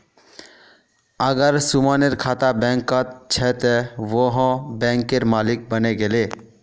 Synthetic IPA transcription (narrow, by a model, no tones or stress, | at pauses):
əɡəɾsumaneɾkʰat̪abɛ̃ŋkət̪t͡ʃʰɛt̪ɛʋoɦə̃bɛ̃ŋkeɾmalik̚bəneɡele